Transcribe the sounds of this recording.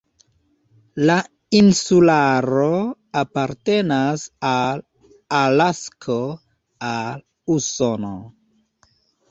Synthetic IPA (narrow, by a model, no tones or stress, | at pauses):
la | insulaɾo | apaɾte̞nasal | alaskʰo | al | usono